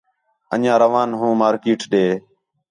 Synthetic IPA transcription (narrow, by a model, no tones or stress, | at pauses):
ə̰ɲãːɾəʋaːnɦũːmaːɾkiːʈɗeː